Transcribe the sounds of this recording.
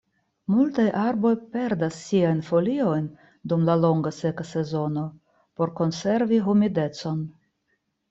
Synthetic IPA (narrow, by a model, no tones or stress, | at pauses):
multajʔaɾbo̞jpe̞ɾdasːiajnfo̞lio̞jn | dumlalo̞ŋɡase̞kase̞zo̞no̞ | po̞ɾko̞nse̞ɾviɦumide̞t͡so̞n